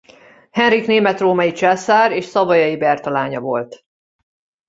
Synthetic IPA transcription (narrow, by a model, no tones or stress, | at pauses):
hɛnrikneːmɛt̪roːmɒjit͡ʃaːsaːɾeːʃsɒvɒjɒjibɛrt̪ɒlaːɲɒvo̞lt̪